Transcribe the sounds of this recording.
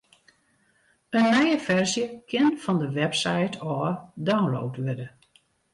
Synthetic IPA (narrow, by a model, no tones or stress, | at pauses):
ənːɛjəfɛrzjəkɪnfɔndəʋɛpsajtʰɔːdawnlo̰ːtʋɪdə